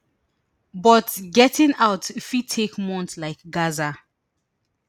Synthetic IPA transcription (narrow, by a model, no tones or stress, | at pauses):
bɔtɡɛtɪ̃ŋaʊtifitʰekmɔ̃ntlaɪkɡaza